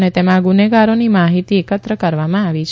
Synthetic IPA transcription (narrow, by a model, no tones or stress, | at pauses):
net̪emãɡuneɡaɾonimaɦit̪iekət̪ɾəkəɾʋamãaʋit͡ʃʰ